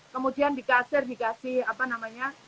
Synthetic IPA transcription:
kəmudiandikasɪrdikasɪhapanamaɲa

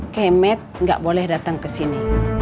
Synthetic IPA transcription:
kɛmɛt̪̚ŋɡa̰ʔbolɛhdat̪aŋkəsini

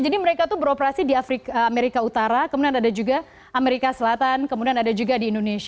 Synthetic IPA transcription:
d͡ʒadiməɾekat̪ubəɾopəɾasidiafɾikameɾikaut̪aɾakəmudianadad͡ʒuɡa | ameɾikasəlat̪ankəmudianadad͡ʒuɡadiːndones

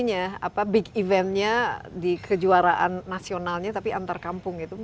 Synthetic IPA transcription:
ɲaa̰pabɪkivɛnt̪̚ɲadikʰəd͡ʒuaɾaʔa̰nːasionalɲat̪apiʔant̪arkampʊŋɡit̪u

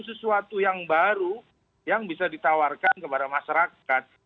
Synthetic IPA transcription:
s̬əsuat̪ujaŋbaɾu | jaŋbisadit̪awarkankəpadamaʃaɾakat̪̚

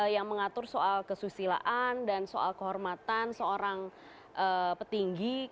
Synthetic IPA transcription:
jaŋməŋat̪ʊrsoʔalkəsusila̰ʔandansoʔa̰lkəɦɔrmat̪ansəoɾaŋ | ʔəpət̪iŋɡi

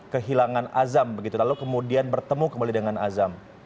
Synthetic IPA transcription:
kəɦilaŋanazambəɡit̪ulalukəmudianbərt̪əmukəmbalidəŋanazam

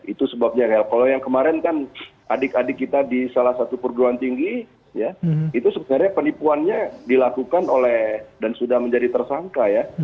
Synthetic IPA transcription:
it̪usəbap̚ɲakajakalojaŋkəmaɾɛnkanʔa̰dɪkadɪkːit̪adisalahsat̪upərɡɾuant̪iŋɡi | jait̪usəbənarɲapənipuanɲadilakukanolɛhdansudahməɲd͡ʒadit̪ərsaŋkaja

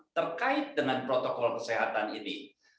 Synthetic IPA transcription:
t̪ərkaɪt̪̚dəŋanpɾot̪okɔlkə̥seɦat̪anini

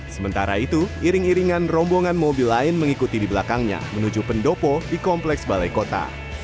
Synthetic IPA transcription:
səmənt̪aɾait̪uiɾɪŋiɾiŋanrɔmboŋanmobilːaɪnməŋikut̪idibəlakaŋɲa̰mənud͡ʒupəndopɔdikɔmplɛksbalajkot̪a̰

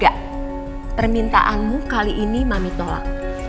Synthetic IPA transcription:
aʔ | pərmint̪a̰ʔanmukaliʔːnimamit̪ola̰k̚

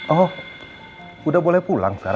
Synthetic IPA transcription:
ɔh | kudahbolɛhpula̰ŋsə̥kaɾ

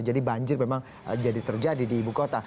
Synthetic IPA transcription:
d͡ʒadibaɲd͡ʒɪrmemaŋ | d͡ʒadit̪ərd͡ʒadidiːbukot̪a

